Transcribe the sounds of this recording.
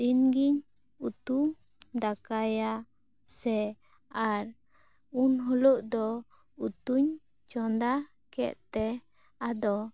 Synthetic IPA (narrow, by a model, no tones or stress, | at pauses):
dinɡiɲ | ut̪u | d̪akaja | sɛ | aɾ | unɦɔlɔʔd̪ɔ | ut̪uɲ | t͡ʃɔnd̪a | kɛ̰t̪̚t̪ɛ | ad̪ɔ